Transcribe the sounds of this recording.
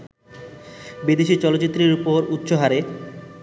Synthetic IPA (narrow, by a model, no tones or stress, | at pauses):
bid̪eʃit͡ɕɔlotːt͡ɕit̪ːɾiɾupoɾut̪ːɕoɦaɾe